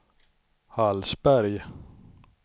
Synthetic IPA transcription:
halsbæɾj

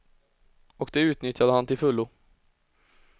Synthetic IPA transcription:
ɔkd̪ɛʉ̟ːt̪nʏt̪jad̪əhant̪ɪlfɵlːʊ

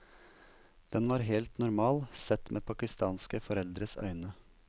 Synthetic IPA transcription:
d̪̥ɛnʋɑːɾɦeːlt̪nʊɾmɑːlsɛt̪mʔḛːpʰɑkɪst̪ɑːnskəfɔɾɛld̪ɾəsœ̰ʏnə

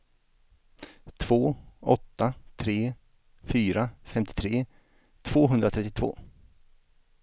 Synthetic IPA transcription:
t̪ʰv̥oːɔt̪ːat̪ʰɾeː | fyːɾafɛmt̪ɪ̥t̪ʰɾeː | t̪ʰv̥oːɦɵnd̪ɾat̪ʰɛt̪ːɪt̪vo̰ː

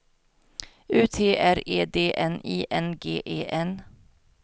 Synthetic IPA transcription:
ʉːt̪ʰeːʔæɾeːd̪eːʔɛniːʔɛnɡeːʔeːʔɛn

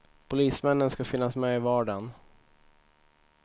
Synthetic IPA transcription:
pʰʊliːsmɛnːənskafɪnːasmɛɪvɑːɖan

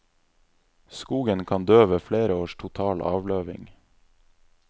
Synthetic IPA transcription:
skuːɡənkʰɑnd̪øːʋəfɽeːɾəoːʃʈʰʊt̪ʰɑːlʔɑ̰ːʋløːʋɪ̰ŋ

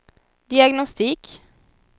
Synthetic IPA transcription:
d̪̥ɪɑɡnɔst̪ɪk

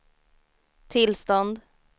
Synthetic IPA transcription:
t̪ʰɪlst̪ɔnd̪

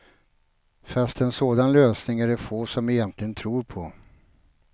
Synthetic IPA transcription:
fast̪ɛnsoːd̪anløːsnɪŋæɖɛfoːsɔmɪjɛnt̪ʰlɪɡənt̪ʰɾuːɾpʰɔ

